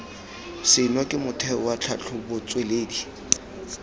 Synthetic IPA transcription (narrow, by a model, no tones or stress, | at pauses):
sɪnwɔkʼɪmʊtʰɛwat͡ɬʰat͡ɬʰʊbʊt͡sʼweleːdi